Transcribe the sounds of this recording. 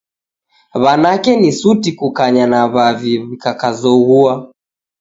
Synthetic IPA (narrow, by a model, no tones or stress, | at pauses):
βanakɛnisutikukaɲanaβaviβikakazɔɣua